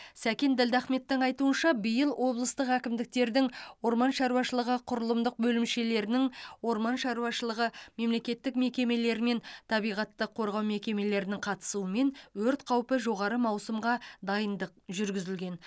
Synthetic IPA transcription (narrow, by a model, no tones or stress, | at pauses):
sækʲe̞nd̪ɪld̪æχme̞t̪ːɪŋɑjt̪uənʃɑbijəlˠwʔo̞blˠəst̪əqækʲɪmd̪ɪk̚t̪e̞ɾd̪ɪŋwo̞ɾmɑnʃɑɾuwɑʃəlˠəʁəqʰʊɾəlˠəmd̪əq̚bɵlɪmʃe̞le̞ɾɪnɪŋwo̞ɾmɑnʃɑɾuwɑʃəlˠəʁəme̞mle̞kʲe̞t̪ːɪkme̞kʲe̞me̞le̞ɾɪme̞nt̪ʰɑbijʁɑt̪ːəqʰo̞ɾʁɑwme̞kʲe̞me̞le̞ɾɪnɪŋqʰɑt̪ə̥suəme̞nwɵɾt̪qʰɑwpəʒo̞ʁɑɾəmɑwsəmʁɑd̪ɑjənd̪əq̚ʒʏɾɡʲɪzɪlɡʲe̞n